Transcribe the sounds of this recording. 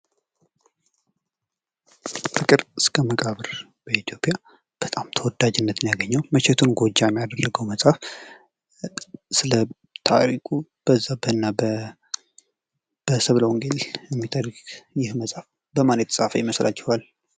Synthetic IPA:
fɨkʼɨɾɨskʰəməkʼaβɨɾ | b̥əit̪ʰijo̞pʼja | b̥ət̪ʼamt̪ʰəwɔd̪ːad͡ʒɪnːət̪ɨnjaɡəɲːawməʃɛt̪ʰunɡʷo̞d͡ʒajmːijad̪ərːəɡəwməsʼaf | sɨlə | t̪ʰa̰ɾikʼub̥əzːabəɨnːab | b̥əsəβləwɔŋɡelɛmːit̪ʰaɾiɡjɪhməsʼaf | bəmanət̪sʼafəjɪməslʔa̰t͡ʃːɛhal

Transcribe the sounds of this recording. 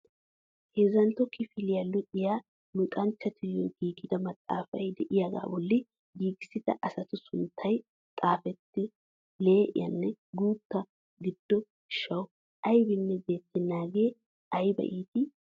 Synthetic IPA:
heːzɐnt̪ɔkʰːɪfɪlɪjɐlːʊᶑɪjaː | mɪkʼɐnt͡ʃːɐt̪ʰɪjɔɡiːɡɪd̪ɐmɐt̪ʼːa̰ːfɐjd̪ɛʔɪjaɡa̰ːbɔlːɪ | ɡiːɡɪsɪt̪ɐ̰ʔɐsɐt̪ʊsʊnt̪ʰːɐj | t̪ʼaːfɛt̪ːɪ | leːʔɪ̰jɐ̰nːɛɡuːt̪ːɐ | ɡɪd̪̥ːɔ | ʃɐwʊ | ʔɐjbɪnːɛbe̞ːt̪ːɪnːaːɡe̞ː | ɐjbɐ̰ʔiːt̪ɪ

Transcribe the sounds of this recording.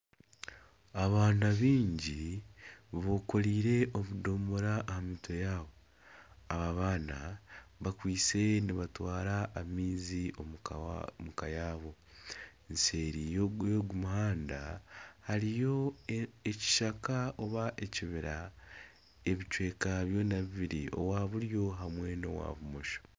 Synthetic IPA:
aβaːnaβiːɲɟi | βo̞ko̞ɾiːɾe̞ʔo̞βudo̞ːmoɾaʔːhamiːtʰo̞jaːβo̞ | aβaβaːnaβakwiːt͡se̞niβatwaːɾaʔːmiːzio | mukajaːβo̞ | ense̞ːɾijjoɡumuhaːnda̰haɾijo̞eci̥ʃakaoβaʔeciβiɾa | eβit͡ʃwe̞ːkaβjo̞naβiβiɾiʔo̞̰waːβuɾjo̞ɦamwe̞no̞̰wa̰ːβumoʃo̥

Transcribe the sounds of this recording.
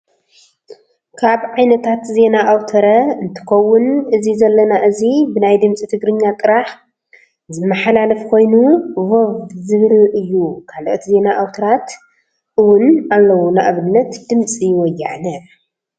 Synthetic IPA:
kʰaβʕajnɐt̪ʰat̪ze̞naʔawt̪ʰɐɾɐɨnt̪ʰɨ̥kɐwːʊnɨzizɐlːɐnaʔɨzibɨnajd̪ɨmt͡sʼit̪ʰɨɡɾɨɲːat̪ʼɨɾaħ | zɨmːɐħalalɐfkʰo̞jnuvovzɨβɾɨʔɨjːukʰaloʔt̪ʰize̞naʔawt̪ʰɐɾat̪ | ʔɨwʊnalːɐwonaʔβɨnːɐt̪d̪̥ɨmt͡sʼijwɔjːaʕanɐ

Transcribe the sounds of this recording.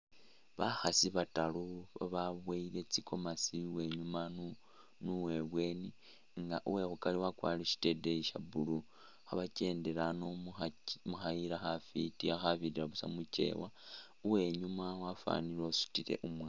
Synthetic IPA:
βaxasiβataluβaβaβwaile̞t͡sikʰo̞masiwe̞ɲumanu | nuwe̞βwe̞ːni | ŋɡaʔuwe̞xukaliwakwa̰ːliʃi̥te̞deiʃa̰bulu | xaβace̞ːnde̞ɾano | muxaiɾaxafitiaxaβidiɾaβusa̰mut͡ʃe̞̰wa | uwe̞ɲumawafa̰nilosu̥tiɾe̞̰ʔumwa

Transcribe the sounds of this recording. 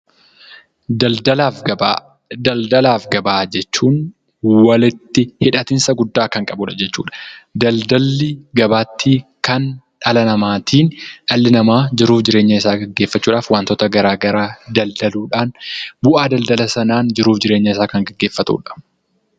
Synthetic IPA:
d̪ɐld̪ɐlaːfɡɐbaːd͡ʒɛt͡ʃːuːn | wɐlɪt̪ːɪhɪᶑɐt̪ɪnsɐɡʊd̪ːaːkɐŋkʼɐbuᶑɐd͡ʒɛt͡ʃːṵːᶑɐ̥d̪ɐld̪ɐlːɪɡɐbaːt̪ːikɐn | ᶑɐlɐnɐmaːt̪ʰiːnᶑɐlːɪnɐmaːd͡ʒɪɾuːfd͡ʒɪɾe̞ːɲːɐɪsaːɡɐɡːe̞ːfːɐt͡ʃːuːᶑaːfwaːnt̪ɔt̪ɐɡɐɾaːɡɐɾaːd̪ɐld̪ɐluːᶑaːnbʊʔaːd̪ɐld̪ɐlɐsɐnaːnd͡ʒɪɾuːfd͡ʒɪɾe̞ːɲːɐɪsaːkɐŋɡɐɡːeːfːɐt̪ṵːᶑɐ̥

